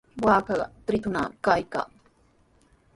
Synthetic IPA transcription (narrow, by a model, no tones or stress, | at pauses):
waːkaɢt̪ɾɪt̪ʊna̰kajka̰ŋ